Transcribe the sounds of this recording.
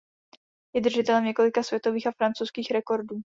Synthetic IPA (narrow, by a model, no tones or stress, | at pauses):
jɛd̪r̩ʒɪt̪ɛlɛmɲɛko̞lɪkasvʲjɛt̪o̞viːxafɾant͡sowskiːxɾɛko̞ɾduː